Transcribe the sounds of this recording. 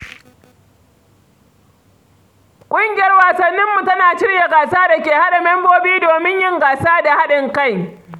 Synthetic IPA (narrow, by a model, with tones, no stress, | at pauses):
kʷʼʊ˦ŋɡʲɪ˨jɐ˦rwaː˨sɐ˨nːɪ˦mːu˨tɐ˦naː˨ʃɪ˦ɽja˨ɡaː˨saː˦da˨kʲeː˨ha˦ɗa˨mɛ˦mboː˦biː˦doː˨mɪ˦ɲjɪ˦ŋɡaː˨saː˦da˨ha˦ɗɪ˨ŋka˦˨j